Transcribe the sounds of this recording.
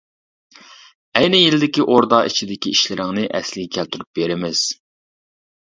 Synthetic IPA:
ɛjnɪjilɪd̪ɪkʲiʔoɾd̪ɑḭt͡ʃʰid̪ɪkʲiiʃlɪɾɪŋnɪʔɛ̰slɪɡʲɛkʲʰælt̪ʰyɾyp̚b̥eɾɪmɪz̥

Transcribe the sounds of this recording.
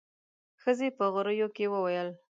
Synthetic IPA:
xəzepəɣʊɾəjokewəwajəl

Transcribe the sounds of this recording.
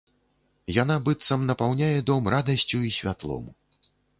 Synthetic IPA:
janabɨt̪sɐmnɐpawnʲajɛd̪ɔmrad̪ɐsʲt͡sʲuisʲvʲat̪lˠɔ̰m

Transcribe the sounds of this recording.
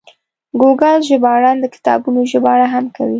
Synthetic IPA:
ɡoɡalʒəbɑɽɑnd̪əkɪ̥t̪ɑ̰bunoʒəbɑɽaɦamkawi

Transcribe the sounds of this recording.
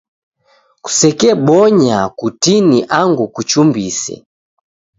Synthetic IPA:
ku̥sɛkɛbɔɲakutiniʔaŋɡukut͡ʃumbisɛ̰

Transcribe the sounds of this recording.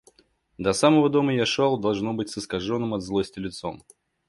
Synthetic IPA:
d̪ɐsaməvəd̪o̞məjaʂolˠd̪ɐlˠʐnobɨtʲsəskɐʐonːɨmɐd̪zlˠosʲtʲɪlʲɪt̪so̰m

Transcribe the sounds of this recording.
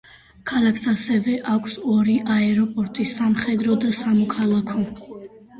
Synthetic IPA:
kʰalakʰsasɛvɛʔakʷʰsɔɾiʔaɛɾɔpʼɔɾt̪ʼisamχɛd̪ɾɔd̪asamɔkʰalˠakʰɔ

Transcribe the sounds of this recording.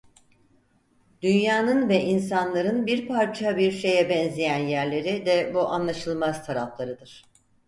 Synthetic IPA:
d̪̥ynjaːnɯnvɛʔins̬anlˠaɾɯnbiɾpʰaɾt͡ʃʰabiɾʃe̞jɛbɛnzijænjæɾlʲe̞ɾid̪ɛbuʔanlˠaʃɯlˠmazt̪ʰaɾaflˠaɾɯd̪ɯɾ̥

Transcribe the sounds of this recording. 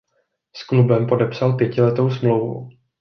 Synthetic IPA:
sklubɛmpo̞dɛpsalpjɛcɪlɛt̪o̞wsmlowvṵ

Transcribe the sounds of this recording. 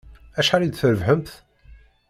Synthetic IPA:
æʃħaɾid̪θəɾəvhəmθ

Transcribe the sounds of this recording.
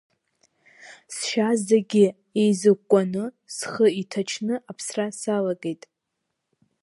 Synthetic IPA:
sʃazdaɡʲɪ | ejzɨkʷʼanɨ | sχəitʰat͡ʃʰnɨʔapʰsrasalaɡʼejtʼ

